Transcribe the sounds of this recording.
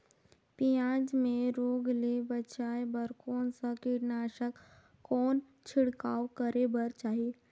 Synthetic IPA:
pijãːd͡ʒmẽɾoːɡlebət͡ʃaːebəɾkɔːnsakɪɾnaːʃək | kːɔːn | t͡ʃʰɪɽkaːwkəɾebəɾt͡ʃaːɦie

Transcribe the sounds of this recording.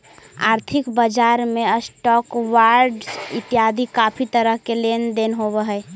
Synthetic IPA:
a̰ɾt̪ʰikbəd͡ʒaɾmeəsʈɔkwaɾɖsɪt̪ijad̪ikapʰit̪əɾəɦkelend̪enɦoβəɦəɛ

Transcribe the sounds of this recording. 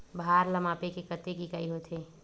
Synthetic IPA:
bʱaɾləmapekekət̪ekikajɦot̪ʰe

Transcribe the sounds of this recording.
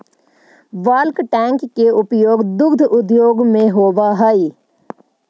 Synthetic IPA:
ʋaːlkʈɛ̃ːŋkːeʊpjoːɡd̪ʊɾd̪ʱʊd̪joːɡmẽɦoːʋaɦəi

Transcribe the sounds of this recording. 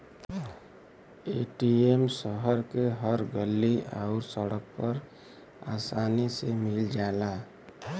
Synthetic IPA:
eːʈiemsəɦəɾkeɦəɾɡəlːiaʊɾsəɽək̚pəɾ | a̰ːsaːnisemɪld͡ʒaːlaː

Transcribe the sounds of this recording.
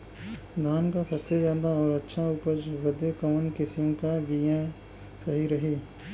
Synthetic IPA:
d̪ʱaːnkasɐbsezjaːd̪aɔːɾɐtːʃʰãuːpəɾd͡ʒʋɐd̪ekɐmənkɪsiõkaʋijã | sɐɦiɾɐɦiː

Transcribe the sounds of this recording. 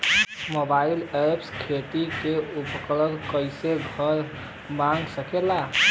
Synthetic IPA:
mobailepskʰet̪ikeupkləlkəjseɡʱəɾ | mãŋɡsəkela

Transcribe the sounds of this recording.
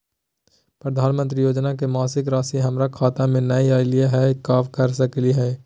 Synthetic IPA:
pɾəd̪ʱaːnmə̃nt̪ɾijoːd͡ʒnak̬emaːsɪkɾaːsiɦɐmɾakʰaːt̪amẽnɐiaːɪlijaɦɛkaːfkɐɾsɐkliɦɛː

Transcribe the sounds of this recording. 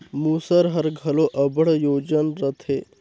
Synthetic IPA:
muːsəɾɦəɾɡʱɐloʔəbəɽjoːd͡ʑənɾət̪ʰe

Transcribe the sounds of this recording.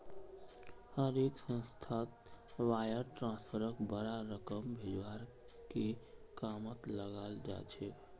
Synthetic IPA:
həɾeksə̃nst̪ʰat̪wajəɾʈɾãnspʰəɾəkbəɾaɾəkəmbʱed͡ʒwaɾ | kekamət̪ləɡald͡ʒa̰t͡ʃʰɛ

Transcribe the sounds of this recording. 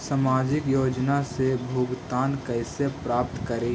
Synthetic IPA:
samaːd͡ʒɪkjoːd͡ʒnasebʱuːɡt̪aːnkəɪsepɾaːp̚t̪kəɾẽ

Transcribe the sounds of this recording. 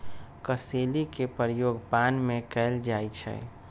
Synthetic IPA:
kəselikepəɾjoːɡpanmẽkɛld͡ʒaːit͡ʃʰɛ̰

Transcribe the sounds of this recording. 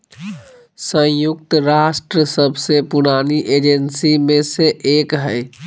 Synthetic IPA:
sə̃jukt̪əɾasʈɾəsəbʱsẽpuɽ̃aniʔed͡ʒensimeseʔekɦəj

